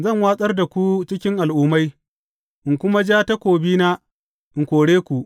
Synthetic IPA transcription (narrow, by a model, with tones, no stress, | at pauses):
zɐ˦˨ŋwaː˦sʼɐ˦rda˨kʷu˦t͡ʃɪ˦kʲɪ˦ŋʔa˨lʔʊː˦ma˦j | ʔɪ˨ŋkʷʊ˦ma˦d͡ʒaː˦ta˦kʷoː˨biː˦naː˦ | ʔɪ˨ŋkʷoː˨ɽeː˦kʷu˨ʔ